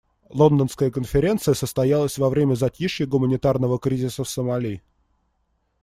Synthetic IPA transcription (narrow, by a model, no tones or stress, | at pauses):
lˠo̞nd̪ənskəjəkənfʲɪɾʲe̞nt̪sɨjəsəst̪ɐjalˠəsʲvɐvɾʲemʲəzɐtʲiʂjʲɪɡʊmənʲɪt̪arnəvəkɾʲizʲɪsəsəmɐlʲij